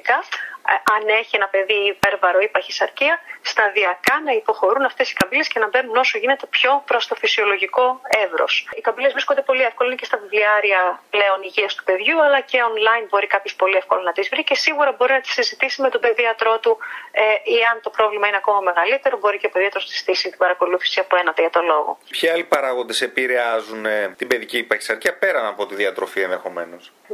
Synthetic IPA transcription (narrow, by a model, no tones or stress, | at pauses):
ikɐ | ɐne̞çie̞nɐpe̞ðiːpe̞ɾvɐɾo̞ipɐçisɐɾciɐst̪ɐðiɐkɐnɐipo̞xo̞ɾunɐft̪e̞si̥kɐbile̞sce̞nɐbe̞nuno̞so̞ʝine̞t̪e̞pço̞pɾo̞st̪o̞fisio̞lo̞ʝiko̞e̞vɾo̞̰sikɐmbile̞zvɾiskond̪e̞po̞liefko̞loinecest̪ɐvivliɐɾiɐple̞o̞niʝiɐst̪u̥pe̞ðʝuɐlɐce̞o̞nlɐjnbo̞ɾikɐpço̞spo̞liefko̞lonɐt̪izvɾice̞siɣuɾɐbo̞ɾinɐt̪i̥sizit̪isime̞t̪o̞pe̞ðiɐt̪ɾo̞t̪ueiɐnt̪o̞pɾo̞vlimɐineɐko̞mɐme̞ɣɐlit̪e̞ɾo̞bo̞ɾiceopeðiɐt̪ɾo̞sɐsiz̥i̥t̪isit̪ibɐɾɐko̞luθi̥siɐpoe̞nɐt̪eʝɐt̪o̞lo̞ɣo̰pçiɐlipɐɾɐɣo̞nd̪e̞se̞piɾeɐzunet̪ibe̞ðicipɐçi̥sɐɾɐpe̞ɾɐnɐpo̞t̪iðiɐt̪ɾo̞fienðe̞xo̞me̞no̞s